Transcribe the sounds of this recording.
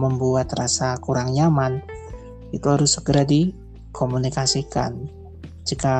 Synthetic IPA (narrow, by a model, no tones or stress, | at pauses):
məmbuat̪rasakuɾaŋjaman | it̪uɦaɾʊsːəɡəɾadi | komunikasika̰n | d͡ʒika